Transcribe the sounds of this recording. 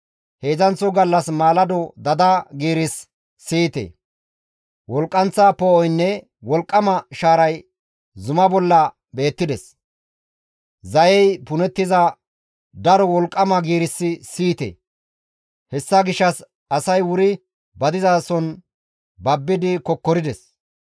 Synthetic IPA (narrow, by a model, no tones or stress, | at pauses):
he̞ːzɐnt͡sːɔɡɐlːɐsmaːlɐd̪ɔd̪ɐd̪ɐɡiːɾɪsː | iːt̪ḛ | wɔlkʼːɐnt͡sːaːpɔɔjnːɛ | wɔlkʼːɐmɐʃaːɾɐj | zʊmɐbɔlːɐ | be̞ːt̪ːɪd̪ɛs | zɐjɛjpʊnɛt̪ːɪzɐ | d̪ɐɾɔwɔlkʼːɐmɐɡiːɾɪsːɪsiːt̪ḛ | hɛsːɐɡɪʃɐs | ɐsɐjwʊɾɪ | bɐd̪ɪzaːsɔn | bɐbːɪd̪ɪkɔkːɔɾɪd̪ɛs